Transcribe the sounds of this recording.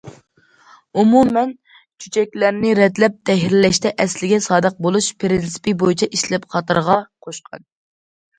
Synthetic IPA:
umumɛn | t͡ʃʰy̥t͡ʃʰɛk̚ʲlæɾnɪɾɛd̪lɛp̚t̪ʰɛɦɾɪlɛʃt̪ʰɛʔɛslɪɡʲɛsɑːd̪əq̚bolˠuʃpʰɾinsi̥pibojit͡ʃʰɛʔiʃlɛpqʰɑt̪ɨɾʁɑqʰoʃqʰɑ̰n

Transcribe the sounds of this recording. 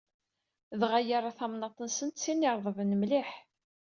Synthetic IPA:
ðʁajaɾˤɑθɑmnɑt̪ˤənsənt̪sinːiɾˤðˤəvənəmliħ

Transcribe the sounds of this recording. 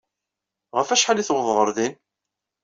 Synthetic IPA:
ʁəfæʃħaliθwðˤʁˤəɾˤðin

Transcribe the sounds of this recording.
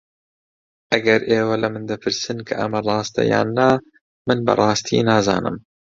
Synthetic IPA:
ʔɐɡɐɾʔeːwɐlɐmɨnd̪ɐpʰɨɾsɨnkʰɐʔɐmɐrˤɑːst̪ɐ̰ja̰ːnːa | mɨnbɐ̰rˤɑːst̪ʰḭnaːzɑ̰ːnɨm

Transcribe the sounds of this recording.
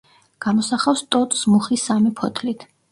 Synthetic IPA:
ɡ̥amɔsaχafst̪ʼɔt̪ʼsmuχisamipʰɔt̪ʰlit̪ʰ

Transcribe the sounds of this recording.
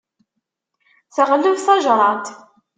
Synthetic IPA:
θəʁlːuvθɑʒɾˤɑt̪

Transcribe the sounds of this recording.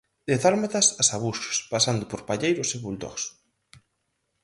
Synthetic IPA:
d̪eθaɾmat̪ɐsasaβuʃo̥spasand̪ʊpoɾpaʎejɾʊseβult̪ɔ̰s

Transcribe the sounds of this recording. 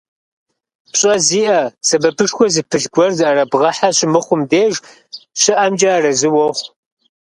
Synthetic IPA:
pɕʼɐziːʔɐsɐbɐpʰɨʂxʷɔzɨpʰɨɮɡʷɔrzɨʔɐɾɐbʁɐħaɕɪmɨχʷʊmdeːʒ | ɕɪʔɐmd͡ʒɐrɐzɨwɔχʷ

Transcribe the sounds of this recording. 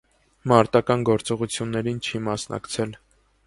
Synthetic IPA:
mɑɾt̪ɑkɑnɡɔɾt͡sɔʁut͡sʰjunːɛɾint͡ʃʰimɑsnɑ̰kt͡sʰɛl

